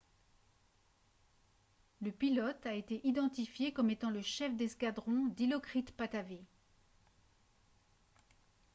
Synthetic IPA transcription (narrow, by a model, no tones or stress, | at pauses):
ləpilɔt̪aet̪eʔid̪ɑ̃t̪ifjekɔmet̪ɑ̃ləʃɛfd̪ɛskad̪ʁɔ̃d̪ilɔkχit̪pat̪ave